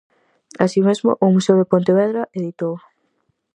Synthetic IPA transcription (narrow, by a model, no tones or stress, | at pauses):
asimezmo̰ʔomusewðepont̪eβɛðɾɐʔeðit̪ow